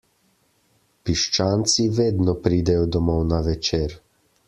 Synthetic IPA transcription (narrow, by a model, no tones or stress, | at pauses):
piʃt͡ʃaːnt̪siʋeːd̪nɔpɾiːd̪ɛjɔd̪ɔmɔwnaʋɛt͡ʃeːɾ